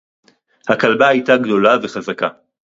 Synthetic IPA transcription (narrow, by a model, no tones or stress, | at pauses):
hakalbahajtaɡd̪o̞lave̞χazaka